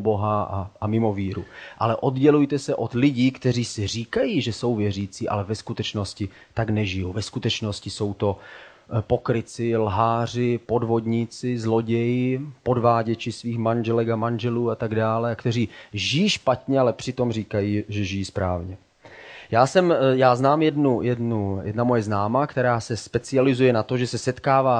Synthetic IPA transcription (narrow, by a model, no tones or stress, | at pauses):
ubo̞ɦaa̰amɪmo̞viːɾṵʔa̰lɛʔo̞d̪ɟɛlujt̪ɛsɛʔo̞d̪lɪɟiːkt̪ɛriːsɪr̝iːkajiːʒɛso̞wvjɛriːt͡siːʔa̰lɛvɛskut̪ɛt͡ʃno̞scɪ | t̪aɡnɛʒɪjuvɛskut̪ɛt͡ʃno̞scɪso̞wt̪o̞ | po̞kɾɪt͡sɪlɦaːrɪpo̞dvo̞d̪ɲiːt͡sɪzlo̞ɟɛjɪpo̞dvaːɟɛt͡ʃɪsviːxmanʒɛlɛkamanʒɛluːat̪aɡdaːlɛakt̪ɛriːʒɪjiːʃpat̪ɲɛalɛpr̝̥ɪt̪o̞mriːkajiːʒɛʒɪjiːspɾaːvɲɛ | jaːsɛmjaːznaːmjɛdnujɛdnujɛdnamo̞jɛznaːmaːkt̪ɛɾaːsɛspɛt͡sɪalɪzujɛnat̪o̞ʒɛsɛsɛt̪kaːvaː